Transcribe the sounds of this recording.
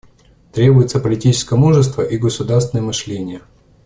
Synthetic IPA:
t̪ɾʲe̞bʊjɪt̪səpəlʲɪtʲit͡ɕɪ̥skəjəmuʐɨst̪vəʔiɡəsʊd̪arst̪vʲɪnəjəmɨʂlʲenʲɪjə

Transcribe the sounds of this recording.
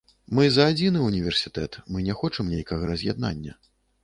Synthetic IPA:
mɨzɐːd͡zʲinɨunʲivʲɛrsʲit̪ɛt̪mɨnʲɛxɔt͡ʂɐmnʲejkɐɣɐɾɐzʲja̰d̪̚na̰nʲːɐ̰

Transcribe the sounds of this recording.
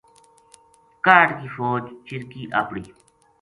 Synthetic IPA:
kaːʈkiːfoːd͡ʒt͡ʃiɾkiːʔa̰pɽiː

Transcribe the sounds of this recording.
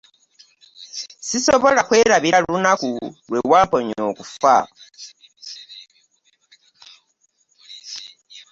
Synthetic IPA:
siso̞βo̞lakwe̞ːɾaβialunakulwe̞waːmpo̞ɲo̞̰ːkufa̰

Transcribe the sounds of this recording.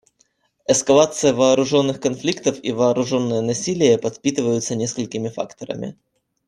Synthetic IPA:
ɛskɐlˠat̪sɨjəvɐːɾʊʐo̞nːɨxkɐnflʲikt̪əfivɐːɾʊʐo̞nːɨjənɐsʲilʲɪjəpɐt̪pʲit̪ɨvəjʊt̪sənʲe̞skəlʲkʲɪmʲɪfa̰kt̪əɾə̰mʲɪ̰

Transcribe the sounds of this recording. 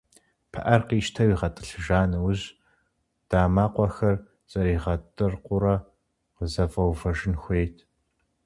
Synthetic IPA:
pʰɐ̰ʔɐrqiːʃtʰɐwiːʁɐtʼɨ̥ɬɨʒaːnɨwʊʑ | d̥aːmaːqʷɔxɐr | t͡sʼɐɾiːʁɐtʼɨrqʷʊɾɐ | qəzɐfʼɐwvɐʒɪnxʷeːtʰ

